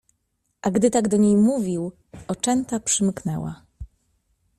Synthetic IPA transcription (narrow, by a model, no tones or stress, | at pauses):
ʔaɡd̪ɘt̪aɡd̪ɔɲejmuvʲiw | ɔt͡ʂɛnt̪apʂɘmknɛ̰wa̰